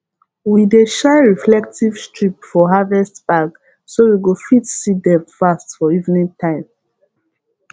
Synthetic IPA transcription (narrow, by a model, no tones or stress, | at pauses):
wideʃaɪɹiflɛk̚tivstʰɹip̚fɔɦavɛstb̥aɡ | sowiɡofitsidɛ̃mfastfɔivnĩŋtʰãɪ̃m